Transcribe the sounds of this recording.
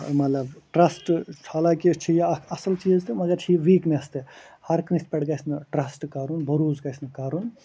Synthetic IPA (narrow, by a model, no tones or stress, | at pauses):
mɐt̪lɐbʈɾɐsʈt͡ʃʰalaːkit͡ʃʰijɐɐsɐlt͡ʃiːzt̪ɨmɐɡɐɾt͡ʃʰiʋiːknest̪ehɐɾkĩspʲeɽɡɐjsnɨʈɾɐsʈkɐɾunbʱɐɾuːzɡɐjsnɨkɐɾun